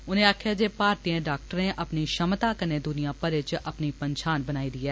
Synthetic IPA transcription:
ʊnẽːaːkʰjaːd͡ʒeːpaːɾt̪iãːɖaːk̚ʈəɾnẽʔəpniʃəmt̪aːkənẽːd̪ʊnijãːpəɾɪt͡ʃʔəpnipənʃʰaːnbənaːiːd̪iːɛː

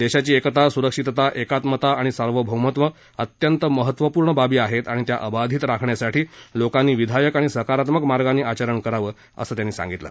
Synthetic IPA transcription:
d̪eɕat͡ɕiːekt̪asuɾəkʂit̪t̪aʔekat̪mət̪aaɽ̃isəɾʋəbʱəwmət̪ʋə | ət̪jənt̪əməɦət̪ʋəpuːɾɳəbabiːaɦet̪aɽ̃it̪ja̰ʔəbad̪ʱiːt̪ɾakʰɳjasaʈiːlokanːiːʋid̪ʱajəkaɽ̃isəkaɾat̪məkmaɾɡanːiːat͡ɕaɾəɳkəɾaʋəː | ə̰səːt̪janːiːsã̰ŋɡit̪lə̰

